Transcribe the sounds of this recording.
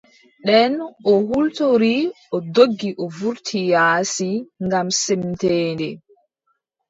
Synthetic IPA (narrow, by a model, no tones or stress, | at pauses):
ɗɛnɔɦultɔɾi | ɔdoɡːiʔɔvuɾtʰijaːsiŋɡamsɛmtɛːndɛ